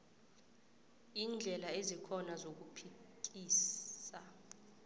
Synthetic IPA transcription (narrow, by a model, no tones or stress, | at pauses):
iːnd͡ɮʱɛlaezikʰɔnazok̬upʰik̬ʼiːsa